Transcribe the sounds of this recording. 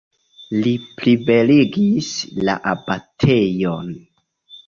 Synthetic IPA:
liplibe̞liɡisla̰ʔabatʰe̞jon

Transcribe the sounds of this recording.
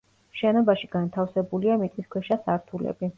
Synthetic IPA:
ʃɛnɔbaʃiɡ̥ant̪ʰafsɛbuliamit̪ʼiskʰwɛʃasaɾt̪ʰulɛ̰bi

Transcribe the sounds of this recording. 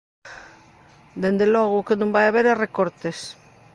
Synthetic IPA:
d̪end̪elɔɣ̞ʊkenũmbajaβeɾerekoɾt̪es

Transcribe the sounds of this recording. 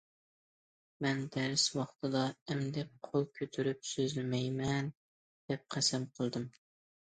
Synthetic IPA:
mɛnd̪æɾɪswɑχt̪ʰɨd̪ɑɛmd̪ɛp̚qʰolˠkʲʰøt̪ʰyɾyp̚søzylmɛjmɛn | d̪̥ɛp̚qʰæsɛmqʰəlˠd̪ɨm

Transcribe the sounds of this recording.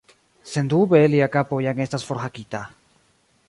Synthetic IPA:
send̪uβeːliakapojaŋest̪asfoɾxakit̪a

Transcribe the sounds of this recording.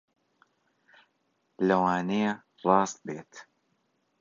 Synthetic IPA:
lɐwaːnejɐ | rˤɑːst̪̚beːt̪

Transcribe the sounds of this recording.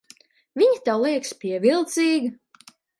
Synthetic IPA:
vʲiɲit̪awlˠiɛkspʲiɛvilˠt̪siːɡi

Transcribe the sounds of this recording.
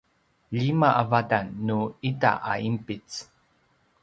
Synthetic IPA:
ʎimaʔavadanːuita̰ʔaimpit͡s

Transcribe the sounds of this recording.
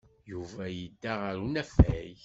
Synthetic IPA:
juvæjəd̪ːaʁəɾunæfæj

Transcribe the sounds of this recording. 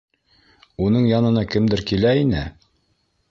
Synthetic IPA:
unɤɴjɑnɤ̆nɑkɘ̆md̪ɘɾkilæinɘ

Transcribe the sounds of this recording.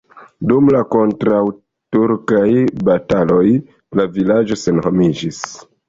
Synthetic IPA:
dumlako̞ntɾaw | tuɾkajbatalo̞j | lavilad͡ʒo̞se̞nhomid͡ʒis

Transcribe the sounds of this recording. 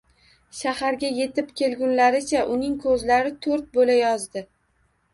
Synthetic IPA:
ʃahaɾɡʲaje̞t̪ɪpkʲʰe̞lɡʲʊnlaɾɪt͡ʃʰaʔʊnɪŋkʰɵzlaɾɪt̪ʰɵɾt̪̚bolajɒzd̪ɪ

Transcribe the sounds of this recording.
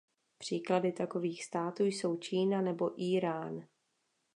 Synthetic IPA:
pr̝̥iːkladɪt̪ako̞viːxst̪aːt̪uːjso̞wt͡ʃiːnanɛboʔiːɾaːn

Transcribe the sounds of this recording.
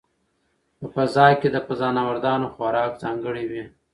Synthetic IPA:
pəpəzɑjked̪əpəzɑnawaɾd̪ɑnoxwaɾɑkzɑŋɡəɽiwi

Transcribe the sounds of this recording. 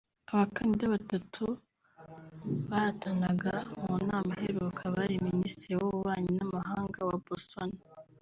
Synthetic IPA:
aβakanidaβatatʰu | βahatanaɡaβunaːmaheɾukʰaβaɾiministiɾiwoβuβaːɲinamaɦaːŋɡawabostona

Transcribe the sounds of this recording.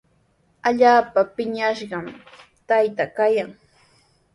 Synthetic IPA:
aʎaːpapɪɲaʃɢɑmt̪ajt̪akajaŋ

